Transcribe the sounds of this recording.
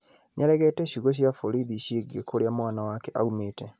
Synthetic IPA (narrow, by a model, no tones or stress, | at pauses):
ɲaɾɛɣetɛɕiɣoɕ̬jafoɾiðiʃiɡekoɾjamwaːnawakeʔa̰umeːte